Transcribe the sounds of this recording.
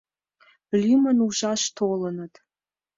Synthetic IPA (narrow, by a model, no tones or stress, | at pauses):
lʲimənuʒɑʃt̪ʰolənət̪